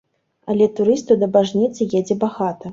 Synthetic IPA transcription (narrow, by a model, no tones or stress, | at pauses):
ɐlʲɛt̪uɾɨst̪ud̪ɐbaʐnʲit̪sɨjɛd͡zʲɛbaɣat̪ɐ